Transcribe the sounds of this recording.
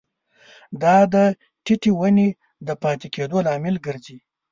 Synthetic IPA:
d̪ɑd̪ə | ʈɪʈiwəne | d̪əpɑt̪eked̪olɑmɪlɡəɾzi

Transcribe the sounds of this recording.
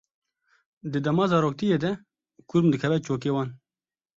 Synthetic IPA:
d̪ɨd̪ɛmɑːzɑːɾoːk̚t̪ijeːd̪ɛ | kʊɾmd̪ɨkʰɛvɛt͡ʃoːk̬eːwɑːn

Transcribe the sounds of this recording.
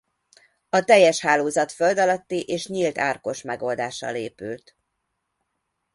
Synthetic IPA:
ɒt̪ɛjːɛʃhaːloːzɒt̪føld̪ɒlɒt̪ːiʔeːʃɲilt̪aːrko̞ʃmɛɡo̞ld̪aːʃɒ̰leːpylt̪

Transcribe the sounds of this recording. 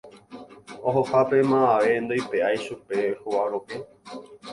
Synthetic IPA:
oɦohapemãaʋe̞nd̪ojpeajʃupe̞huwaɾoke

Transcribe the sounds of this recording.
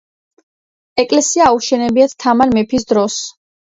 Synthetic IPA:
ɛkʼlɛsiaːuʃɛnɛbiat̪t̪ʰamaɾmɛpʰisd̪ɾɔs

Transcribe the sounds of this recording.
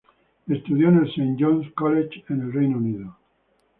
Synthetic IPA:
est̪uðjonelsejnd͡ʒonskolet͡ʃenelrejnuniðo

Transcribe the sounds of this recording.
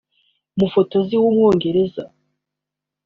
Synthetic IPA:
mufo̞to̞ziwumŋo̞ːŋɡe̞ɾe̞za̰

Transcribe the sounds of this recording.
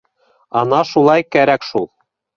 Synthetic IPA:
ɒnɑʃulˠɑjkæɾækʃulˠ

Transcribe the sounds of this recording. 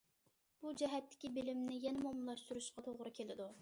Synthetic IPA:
b̥ud͡ʒɛɦɛt̪ʰːɪ̥kʲibɪlɪmnɪjɛnɛmomlˠɑʃt̪uɾuʃqɑt̪ʰoʁɾʊkʲʰelɪd̪u

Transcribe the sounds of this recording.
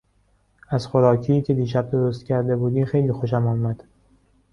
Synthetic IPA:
æzxoɾɒːcʰiːcʰe̞d̪iːʃ̬æb̚d̪oɾost̪cʲʰæɾd̪e̞buːd̪iːmxe̞jliːxo̞ʃæmɒːmæd̪̥

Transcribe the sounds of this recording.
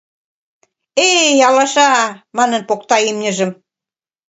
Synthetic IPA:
ejɑlɑʃɑmɑnə̆npokt̪ɑimnʲə̆ʒə̆m

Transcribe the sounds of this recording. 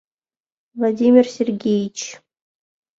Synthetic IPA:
vlˠadʲimʲɪrsʲerɡʲejit͡ɕ

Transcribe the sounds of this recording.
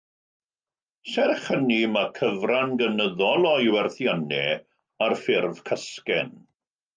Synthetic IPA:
sɛrχənimakʰəvranɡənəðɔlˠɔjwɛrθjanɛ | arfɪrvkʰəskɛn

